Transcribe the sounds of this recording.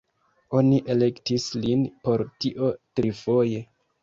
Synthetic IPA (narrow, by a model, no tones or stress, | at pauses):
o̞niʔe̞le̞ktislinpo̞ɾtiʔo̞tɾifo̞je̞